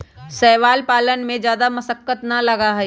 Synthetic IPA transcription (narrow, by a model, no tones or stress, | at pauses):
sɛːʋaːlpaːlənmẽd͡ʒjaːd̪amɐsəkːət̪nɐlɐɡaɦɛ